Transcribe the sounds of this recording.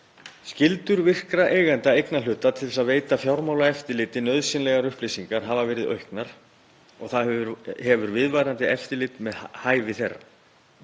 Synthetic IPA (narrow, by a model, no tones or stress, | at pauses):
scɪlt̪ʏɾvɪr̥kɾaʔeːjɣɛnt̪aejknalʏːt̪at̪ʰɪlθɛs̬aðveːjt̪afjawɾmaːwlaɛft̪ɪlɪːt̪ɪnœðsɪnlɛɣaɾʏhplijsiŋkaɾ̥ɦavavɛːɾɪðœ̰ɥhknaɾ̥ | ɔ̰ɣθaðhɛvʏɾvɪðvajɾant̪ɪɛft̪ɪlɪːt̪mɛðhaːjvɪθerːa̰